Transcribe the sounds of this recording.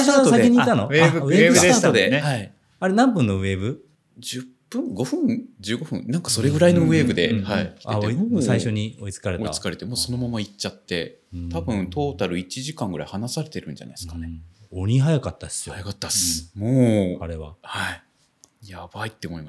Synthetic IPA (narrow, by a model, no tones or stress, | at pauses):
ɕosaiɲ̟it̪ːanoeɯɯeːbɯɯaːt̪od̪ehai | aɾe̞nãmpɯ̟̃nːo̞ɯ̟e̞ːbɯ̟ | d͡ʑɨpːɯ̃ŋɡo̞ɸɯ̟̃ŋd͡ʑɨːɡo̞ɸɯ̟̰̃nãŋkḁso̞ɾe̞ɡɯ̟ɾaino̞ɯe̞ːbɯ̟d̪e̞haikʲiaḛoeisaiɕo̞ɲ̟io̞it͡sɨ̥kaɾetoiaɨ̥kaɾe̞t̪e̞moːso̞no̞mamait͡ɕːat̪ːe̞ | ɯ̃t̪abɯ̟̃nt̪ʰo̞ːt̪aɾɯ̟it͡ɕiʑikãŋɡɯ̟ɾa̰ihanasaɾe̞t̪e̞ɾɯ̟̃ɲd͡ʑa̰na̰iskaneoɲ̟iɦajakat̪ːasjoajakat̪ːasɨ̥moːaɾeβa̰hai | jab̥ait̪ːe̞omoimas